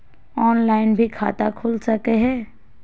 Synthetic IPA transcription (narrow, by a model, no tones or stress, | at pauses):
ɔːnlaːɪnbʱikʰa̰ːt̪akʰuːlsɐkeɦɛ̃ː